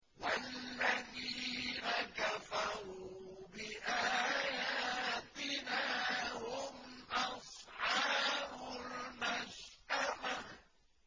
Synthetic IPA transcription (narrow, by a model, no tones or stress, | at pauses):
walːaðiːnakafɑɾuːbɪʔaːjaːt̪ɪnaːhʊmʔɑsˤħɑːɾʊlmaʃʔama